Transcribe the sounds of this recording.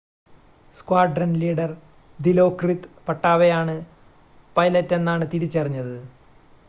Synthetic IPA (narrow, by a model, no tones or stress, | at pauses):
skwaːɖrɐnliːɖɐr | d̪ilo̞ːkrit̪pɐʈːaːʋejaːɳɨ | pɐjlɐtːe̞nːaːɳɨt̪iɾit͡ɕːɐrɐɲːɐðɨ